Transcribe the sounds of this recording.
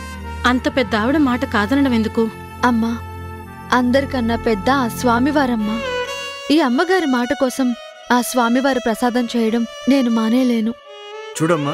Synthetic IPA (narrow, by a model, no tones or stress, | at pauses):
ɐnt̪ɐpɛd̪ːɐaːʋiɽɐmaːʈɐkaːd̪ɐnɐɽɐme̞nd̪uku | ɐmːaː | ɐnd̪ɐɾikɐnːɐpɛd̪ːɐːsʋaːmiʋaːɾɐmːaː | iːɐmːɐɡaːɾimaːʈɐkɔːsɐm | aːsʋaːmiʋaːɾupɾɐsaːd̪ɐnt͡ʃɛːjɐɽɐmne̞ːnumaːne̞ːle̞ːnu | t͡ʃuːɽɐmːa